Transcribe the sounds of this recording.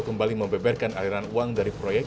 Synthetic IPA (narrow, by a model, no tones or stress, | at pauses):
kəmbaliməmbɛbarkanaliɾanuaŋdaɾipɾojɛk̚